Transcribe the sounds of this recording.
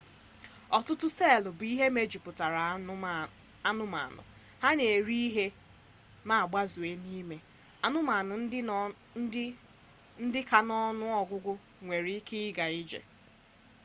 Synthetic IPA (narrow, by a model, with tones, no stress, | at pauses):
ɔ˨tʊ˦tʊ˦se˦˨lʊ˨bʊ˨i˦ɦe˦me˦d͡ʒu˨pʊ˨ta˨ɾa˨ | a˦nʊ˦ma̰˨nʊ̰˨ | ha˦ne˨e˨ɾi˦ɦe˦ | ma˦a˨ɡ͡ba˦zu˨e˦niː˦me˨ | a˦nʊ˦ma˨nʊ˨˦ | n̩˦dɪ˦ka˨nɔ˦nʊ˦ɔ˦ɡʷʊ˦ɡʊ˦ | ŋʷe˨ɾi˦kʰɪ˦ɪ˦ɡa˨i˦d͡ʒḛ˨